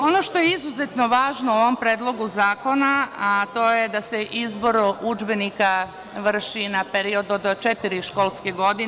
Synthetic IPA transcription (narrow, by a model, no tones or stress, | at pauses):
o̞no̞ʃt̪o̞jeizuzet̪no̞ʋaːʒnouoʋo̞mpɾeːd̪lˠo̞ɡuzaːko̞naat̪o̞jed̪aseʔizbo̞ɾud͡ʒbenika | ʋr̩ʃinapeɾio̞d̪od̪t͡ʃet̪iɾiʃko̞ːlˠskeɡo̞d̪i